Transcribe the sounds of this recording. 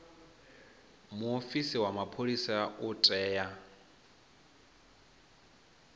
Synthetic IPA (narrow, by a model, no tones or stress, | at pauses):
muofisiwamapʰolisautʼɛːja